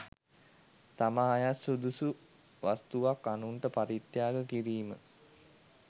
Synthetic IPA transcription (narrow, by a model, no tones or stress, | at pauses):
t̪amaɦajasud̪usu | ʋast̪uʋakːanuɳʈəpaɾit̪jaːɡəkiɾiːmə̰